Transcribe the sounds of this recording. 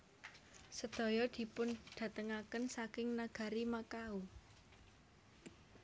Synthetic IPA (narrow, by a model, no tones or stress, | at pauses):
səd̪̥ɔ̤jɔd̪̥i̤pʊnd̪̥ä̤t̪əŋakənsakɪŋnaɡ̥ä̤ɾimakau